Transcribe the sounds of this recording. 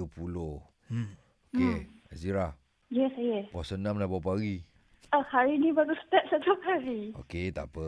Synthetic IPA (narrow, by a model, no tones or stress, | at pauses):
pulo | okeaziɾa | jɛsajəpɔsənãmlabawpaɣi | əhaɾinibaɾusə̥t̪ɛp̚sat̪uphaɾio̰ket̪a̰pə